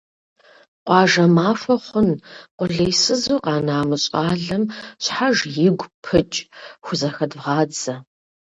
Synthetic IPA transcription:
qʷʼɑːʒɐmaːfɐχʷʊnqʷʼʊɮejsɨzuːqɑːnaːmɨɕʼɑːɮɐmɕħaʒjɪɡʷpʰɨt͡ʃʼxʷʊzɐxɐdʁɑːd͡zɐ

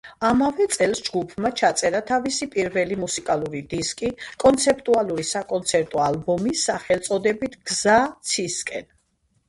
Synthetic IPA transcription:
amavɛt̪sʼɛlˠsd͡ʒɡupʰmat͡ʃʰat̪sʼɛɾat̪ʰavisipʼiɾvɛlimusikʼalˠuɾid̪iskʼikʼɔnt̪sʰɛp̚ʼt̪ʼualˠuɾisakʼɔnt̪sʰɛɾt̪ʼɔalbɔmisːaχɛlˠt̪sʼɔd̪ɛbit̪ʰɡ̥zat̪sʰiskʼɛn

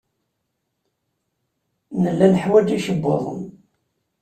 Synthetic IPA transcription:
nəlːænəħwæd͡ʒiʃəbːo̰ðˤə̰m

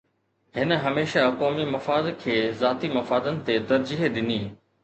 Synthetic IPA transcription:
ɦɪnə̆ɦɐmeːʃakɔːmimɐfaːd̪kʰeːzaːt̪imɐfaːd̪ənɪ̆t̪et̪ɐɾd͡ʑiɦɗ̪ɪniː

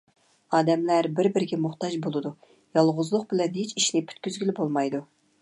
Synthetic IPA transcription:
ɑːd̪ɛmlæɾbɪɾbɪɾɪɡʲɛmʊχt̪ɑʒbolˠɨd̪u | jɑlˠʁʊzlˠʊq̚bɪlɛnɦet͡ʃiʃnɪpʰy̥t̪kʲyzɡʲylɪbolˠmɑjd̪u

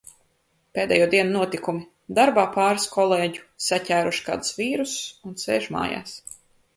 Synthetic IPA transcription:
peːd̪ɛ̰juːd̪iɛnunuɔt̪ikumi | d̪aɾbaːpaːɾskʰɔlˠeːɟu̥sacʲæːɾuʃka̰ːd̪sviːɾusunsḛːʒma̰ːja̰ːs

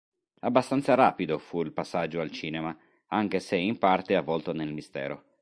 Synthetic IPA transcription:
abːast̪ant̪saɾaːpid̪ofuilpasːad͡ʒːoalt͡ʃiːnema | aŋk̟eseimpart̪eavːɔlt̪onelmist̪ɛ̰ːɾo̰

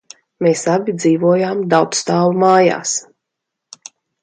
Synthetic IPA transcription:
meːsabʲid̪ziːvuɔjaːmd̪awt̪st̪aːlumaːja̰ːs

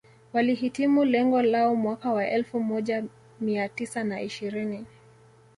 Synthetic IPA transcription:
waliɦitimulɛŋɡɔlaɔmwakawaʔɛlfumɔʄa | miatisanaʔiʃiɾini

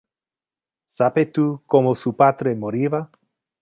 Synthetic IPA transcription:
sapet̪ukomosupat̪ɾemoɾiva

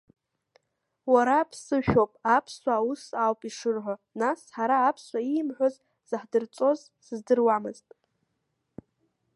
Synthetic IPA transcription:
waɾapʰsɨʃᶣo̞pʼapʰsʷaːwusawpʼiʂɨrħʷanasħaɾaːpʰsʷaimħʷoz | z̥ɨħdɨrt͡sʼo̞z | sɨzdɨrwamɨztʼ

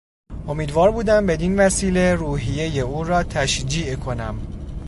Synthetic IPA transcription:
ʔo̞miːd̪vɒːɾbuːd̪æmbe̞d̪invæsiːle̞ɾuːɦije̞je̞uːɾɒːt̪ʰæʃd͡ʒiːʔkʰo̞næm

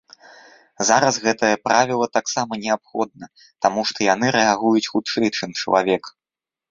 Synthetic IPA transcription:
zaɾɐsɣɛt̪ɐjɐpɾavʲilˠɐt̪aksamɐnʲɛapxɔd̪̚nɐ | t̪amuʂt̪ɔjan̪ɨɾɛaɣujut͡sʲxut̪t͡ʂɛjt͡ʂɨmt͡ʂɐlˠa̰vʲɛk

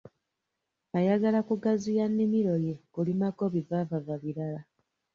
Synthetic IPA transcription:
ajaɡalakuɡazijanːimiɾo̞jekulimako̞βivavavaβiɾala

